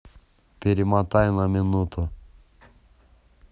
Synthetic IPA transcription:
pʲeɾimat̪ajnaminut̪ʊ

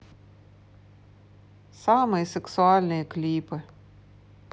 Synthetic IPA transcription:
sɑmɨjsʲɛksʊɑlʲnʲɪjɛklʲiːpɨ

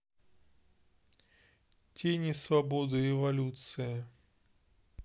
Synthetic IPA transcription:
tʲenʲisvɐbod̪ɨɾʲɪvɐlʲut̪sɨjə

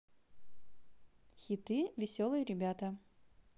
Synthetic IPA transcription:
xʲɪt̪ɨvʲɪsʲolˠɨjəɾʲɪbʲat̪ə

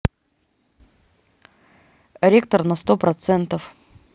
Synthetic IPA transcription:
ɾʲekt̪ərnɐst̪opɾɐt̪sɛnt̪əf

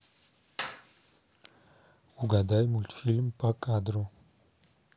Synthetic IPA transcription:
uɡad̪ajmult̪filmpʼakʼad̪ɾo

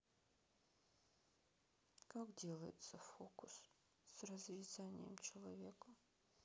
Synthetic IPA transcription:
kakdʲelˠəjɪ̰t̪səfokʊs | srɐzvʲɪzanʲɪ̰jə̰mt͡ʃʰɛlˠavʲekɐ

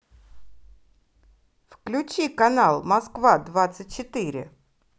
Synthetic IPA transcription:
fklʲʊt͡ɕikɐnalˠmɐskvad̪vat̪sɨt̚ʲt͡ɕɪt̪iɾʲɪ̰

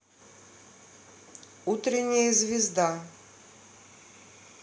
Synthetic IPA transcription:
ut̪ɾʲɪnʲːɪjɛzvʲɪzd̪a

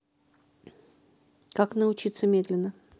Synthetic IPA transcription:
kaknəʊt͡ɕit̪səmʲed̪lʲɪnːə

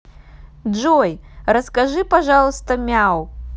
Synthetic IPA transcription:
d͡ʒɔjrɐskaʐɨpaʐalˠst̪ɐmʲaw

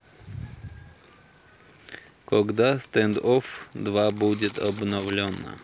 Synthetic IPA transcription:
kɔɡd̪ast̪ɛnd̪ɔfd̪vabud͡ʑʲɛt̪ɔbnɔvlʲɔna̰

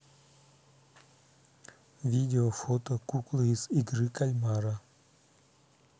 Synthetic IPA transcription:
ʋʲid̪ʲeofot̪okuklˠɨisiɡ̪ɾɨkalʲmaɾa

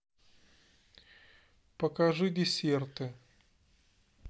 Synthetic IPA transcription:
pəkɐʐɨdʲɪsʲert̪ɨ

